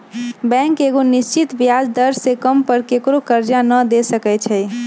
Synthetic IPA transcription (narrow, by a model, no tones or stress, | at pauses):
bɛ̃keɡonist͡ʃit̪bjad͡ʒd̪əɾsekəmpəɾkekɾokəɾd͡ʒanəd̪esəkɛt͡ʃʰɛ